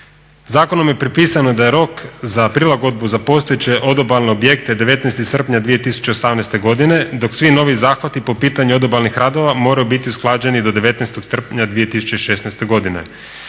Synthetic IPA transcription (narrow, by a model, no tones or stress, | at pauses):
zaːko̞no̞mje̞pɾipiːsanod̪aje̞ɾo̞kzapɾilˠaɡo̞d̪̚buzapo̞st̪oet͡ɕe̞ʔo̞d̪o̞balˠneobje̞k̚t̪e̞d̪eʋe̞t̪nɛst̪isr̩pɲad̪ʋije̞t̪isu̥t͡ɕe̞osamnɛjst̪e̞ɡo̞d̪ine̞d̪o̞ksʋino̞ʋizaːxʋat̪ipo̞piːt̪aɲuo̞d̪obalnixɾad̪o̞ʋamo̞ɾajubit̪iusklˠaːd͡ʑe̞nid̪o̞d̪eʋe̞t̪nɛst̪oɡsr̩pɲad̪ʋije̞t̪isut͡ɕeʃe̞ːsnɛst̪e̞ɡo̞d̪inḛ